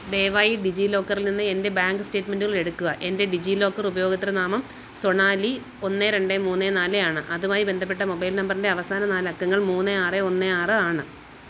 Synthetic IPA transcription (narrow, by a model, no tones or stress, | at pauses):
d̪e̞ːʋaːjiɖid͡ʑilo̞ːkːɐrilninːɨende̞baːŋɡɨste̞ːtːme̞nduɣɐɭe̞ɽukːuɣɐʔe̞nde̞ɖid͡ʑilo̞ːkːɐrubɐjo̞ːɡɐt̪ːiɾɐnaːmɐm | so̞ɳaːli | o̞nːeɾe̞ɳɖemuːnːenaːlejaːɳɨʔɐðumaːjibend̪ʱɐp̬ːe̞ʈ̬ːɐmo̞bɐjlnɐmbɐrinde̞ɐʋɐsaːnɐnaːlɐkːɐŋːɐɭmuːnːeaːreo̞nːeaːrɨaːɳɨ